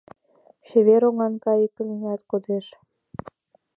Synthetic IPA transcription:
ʃeβeɾoŋɑnkɑjikə̆niŋɑt̪kod̪eʃ

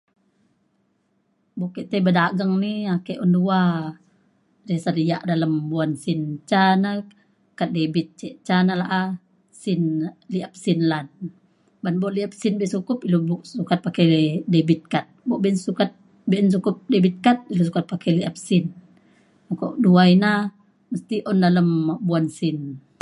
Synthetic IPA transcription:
bɔʔkɛʔt̪ɛbədaɡəŋniakɛʔɔndua | ɾesadijaʔdaləmbuansint͡ʃana | kat̪̚debit̪̚t͡ʃɛʔt͡ʃanalaʔa | sinliʔap̚sinlan | banbɔʔliap̚sinbɛʔnsukʊpilobɔʔsukat̪̚pakɛldebit̪̚kat̪̚bɔʔbɛnsukat̪̚ | bɛʔns̬ukʊp̚debit̪̚kat̪̚ilos̬ukat̪̚pakɛliʔap̚sin | makɔ̰ʔduajna | məst̪iʔɔndaləmbuansin

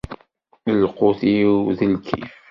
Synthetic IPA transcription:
əlqoθiðəlkʰḭf

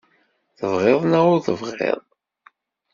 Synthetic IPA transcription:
θəvʁeðˤnaʊɾθəvʁḛðˤ

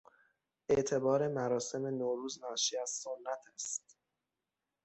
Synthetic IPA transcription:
ʔe̞ʔt̪ʰe̞bɒːɾe̞mæɾɒːse̞me̞noːɾuːznɒːʃiːæz̥sonːæt̪ʰæst̪

